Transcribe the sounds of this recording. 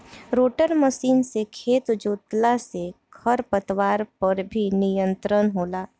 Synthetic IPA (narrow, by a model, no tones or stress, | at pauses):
ɾoːʈəɾməʃiːnsekʰeːt̪d͡ʒoːt̪lasekʰɐɾpət̪waːɾpɐɾbʱinɪjə̃nt̪ɾənɦoːlaː